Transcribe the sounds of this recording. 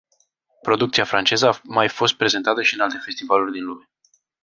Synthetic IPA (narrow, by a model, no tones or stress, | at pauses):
pɾo̞d̪uk̚t̪siafɾant͡ʃe̞zəamajfo̞st̪̚pɾe̞ze̞nt̪at̪əʃiɨnalt̪e̞fe̞st̪ivalurʲd̪inlume̞